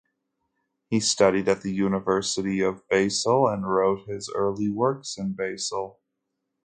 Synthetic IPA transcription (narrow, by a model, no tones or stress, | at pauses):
histʌɾiɾɨt̪̚ðɨjʉnəvɜ˞sɨɾiʌvbeɪsl̩ˠə̃nɹoʊt̚hɪzɜ̰˞lˠiwɜ˞ksɨ̃nbeɪsl̩ˠ